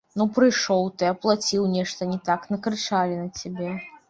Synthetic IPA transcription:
nupɾɨjʂɔwt̪ɨɐplˠat͡sʲiwnʲɛʂt̪ɐnʲɛt̪aknɐkɾɨt͡ʂalʲinɐt͡sʲabʲɛ

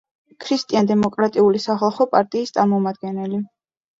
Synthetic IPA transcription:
kʰɾist̪ʼiand̪ɛmɔkʼɾat̪ʼiulisaχɛlˠχɔpʼaɾt̪ʼiːst̪sʼaɾmɔmad̪̚ɡɛnɛli

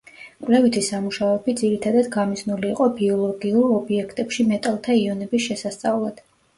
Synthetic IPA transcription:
kʼwlɛvit̪ʰisamuʃaɛbid̪ziɾit̪ʰad̪ad̪ɡamiznuliːqʼɔbiɔlˠɔɡiuɾɔbiɛkʰt̪ʼɛpʃimɛt̪ʼalˠt̪ʰaiɔnɛbisʃɛsast̪sʼavlˠad̪̥

